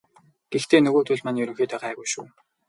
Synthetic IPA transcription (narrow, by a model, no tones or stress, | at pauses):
ɡ̥ext̪ʰeːnɵɣoːt̪ʰʊɮʲmaniːɵɾɵ̆ŋxeːt̪æːʁæːɣujʃṵː